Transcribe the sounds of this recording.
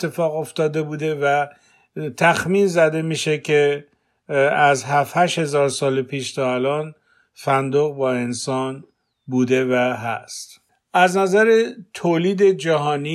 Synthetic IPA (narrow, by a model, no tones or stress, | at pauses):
e̞fɒːɣo̞ft̪ɒːd̪e̞buːd̪e̞væ | t̪ʰæxmiːnzæd̪e̞miːʃecʰe | æzɦæfhæʃhe̞zɒːɾsɒːlepʰiːʃt̪ʰɒːælɒːn | fænd̪oɣbɒːe̞nsɒːn | buːd̪e̞væɦæ̰st̪ | ʔæznæzæɾet̪ʰoːliːd̪e̞d͡ʒæɦɒːni